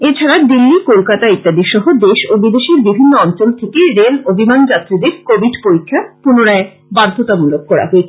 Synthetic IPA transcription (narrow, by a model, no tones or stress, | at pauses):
et͡ɕʰaɾad̪ilːikolkat̪ait̪ːad̪iʃɔɦod̪eʃobid̪eʃiɾbibʱinːoɔnt͡ɕolt̪ʰekeɾelobimand͡ʑat̪ːɾid̪eɾkobʱiɖpoɾikʰːapunoɾae | baɾd̪ʱot̪amulokkɔɾa̰ɦoet͡ɕʰe̥